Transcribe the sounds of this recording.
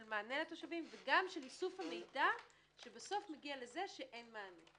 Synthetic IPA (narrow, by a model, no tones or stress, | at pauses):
lmaːnelat̪o̞ʃavimveɡamʃelisufhame̞jda | ʃebaso̞fmeɡiale̞ze̞ʃeʔenmaːne